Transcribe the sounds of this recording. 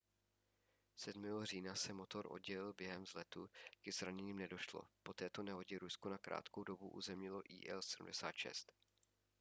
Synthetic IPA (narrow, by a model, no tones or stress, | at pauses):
sɛdmɛːɦor̝iːnasɛmot̪o̞ɾʔo̞̰d̪̚ɟɛlɪlbjɛɦɛmzlɛt̪uɡɛzɾaɲɛɲiːmnɛdo̞ʃlo̰po̞t̪ɛːt̪o̞nɛɦo̞ɟɛɾuskonakɾa̰ːt̪kowdo̞buʔṵːzɛmɲɪlo̞ʔḭːʔɛ̰lsɛdṵm̩dɛsaːt̪ʃɛ̰st̪